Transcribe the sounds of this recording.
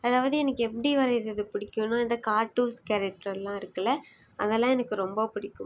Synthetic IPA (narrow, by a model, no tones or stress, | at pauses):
ɐðaːʋaːðɯɛnɐkːɯɛpːɐɽiʋɐɾɐɾɐðɯpɪɽɪkːʊnːaːɪðɐkaːɾʈːuːɾskɐɾɛk̚ʈɾɐlːãːɪɾɯkːɐlɐ | ʔɐðɛlːãːɛnɐkːɯɾɔmbɐpɪɽɪkːʊm